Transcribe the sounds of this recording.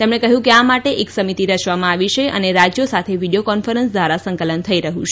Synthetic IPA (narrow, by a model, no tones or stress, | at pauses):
t̪emɳekəɦjũkeamaʈeʔeksəmit̪iɾət͡ʃʋamãaʋiʃeʔə̰neɾad͡ʒjosat̪ʰeʋiɽijokɔnfəɾənsd̪ʋaɾasə̃ŋkələnt̪ʰəiɾəɦũt͡ʃʰe